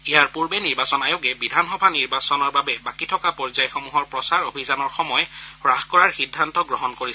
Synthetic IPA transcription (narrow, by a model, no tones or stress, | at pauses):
ijaɹpuɹbɛniɹbasɔnajoɡɛbidʱanxɔbʱaniɹbasɔnɔɹbabɛbakitʰɔkapɔɹzajxomuɦɔɹpɹɔsaɹobʱizanɔɹxɔmɔjɛɹaxkɔɹaɹxidʱːantɔɡɹɔɦɔnkoɹisɛ